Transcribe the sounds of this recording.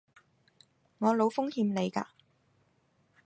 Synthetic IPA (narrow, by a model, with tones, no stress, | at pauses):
ŋɔː˨˧lo˨˧wfʊ˥ŋhiː˧mne˨˧jka̰ː˧